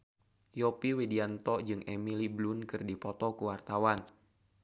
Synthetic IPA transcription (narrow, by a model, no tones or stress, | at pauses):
jɔpiwediant̪ɔd͡ʒɨŋemiliblunkɨrdipɔt̪ɔkuwart̪awan